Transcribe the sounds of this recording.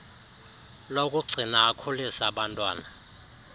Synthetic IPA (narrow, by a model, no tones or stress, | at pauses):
lokʼuɡ͡ǀʱinaːkʰulisaɓantʼwaːna